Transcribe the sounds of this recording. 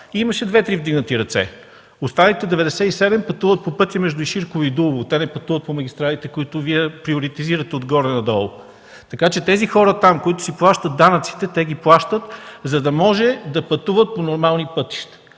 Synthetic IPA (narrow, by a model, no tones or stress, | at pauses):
imɐʃɛd̪vɛt̪ɾivd̪iɡnət̪iɾɐt̪sɛ̰ | ost̪anit̪ɛd̪ɛvɛd̪ɛsɛisɛd̪ɛmpɐt̪uvət̪̚popɤt̪ʲjɐmɛʒd̪ʊiʃiɾkʊviid̪ulˠvʊt̪ɛnɛpɐt̪uvət̪pomɐɡʲist̪ɾalit̪ɛkoit̪ʊviɛpɾioɾit̪iziɾət̪ɛod̪ɡɔɾɛnɐd̪ɔlˠ | t̪ɐkat͡ʃɛt̪ɛzixɔɾət̪amkoit̪ʊ̥siplˠaʃt̪ət̪̚d̪anət̪si̥t̪ɛt̪ɛɡ̟iplˠaʃt̪ət̪zɐd̪ɐmɔʒɛd̪ɐpɐt̪uvət̪̚ponoɾmalˠnipɤt̪i̥ʃt̪ə̥